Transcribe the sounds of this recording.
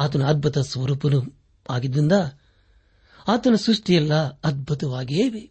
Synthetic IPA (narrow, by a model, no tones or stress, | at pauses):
aːt̪̬ɐnɐɐd̪̚bʱut̪ɐsʋɐɾuːpɐnu | aːɡid̪ɾind̪ɐ | aːt̪ɐnɐsɾuʂʈijɛlːɐɐd̪̚bʱut̪ɐʋaːɡieːʋe